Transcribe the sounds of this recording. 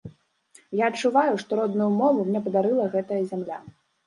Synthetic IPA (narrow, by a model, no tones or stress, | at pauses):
jaɐt͡ʂːuvajuʂt̪ɔɾɔd̪nujumɔvumnʲɛpɐd̪aɾɨlˠɐɣɛt̪ɐjɐzʲamlʲa